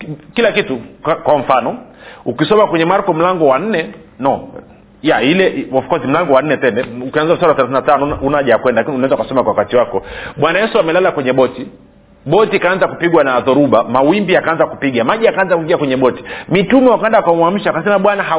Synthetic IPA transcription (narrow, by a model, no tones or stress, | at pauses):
kilakitukkwam̩fanɔukisɔmakwɛɲɛmaɾkɔm̩laŋɡɔwan̩nɛnɔ | jailɛɔfkɔzim̩laŋɡɔwan̩nɛtɛnɛukianzavis̬aɾawaθɛlaθinatanɔunaʄajakwɛndalakiniunaɛnzaukasɔmakwawakatiwakɔɓwanajɛsuamɛlalakwɛɲɛɓɔti | ɓɔtikaːnzakupiɡwanaðɔɾuɓamawimbiakaanzakupiɡamaʄiakaanzakuiŋɡiakwɛɲɛɓɔti̥mitumɛwakawɛndakamwam̩ʃawkasɛmaɓwanaɦa